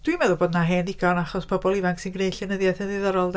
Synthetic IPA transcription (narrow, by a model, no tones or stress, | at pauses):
d̥wimɛðʊboːdnaɦɛniɡanaχɔspʰɔbɔlˠivaŋksɨnɡnejɬɛnəðjaθəðɪðɔɾɔlˠd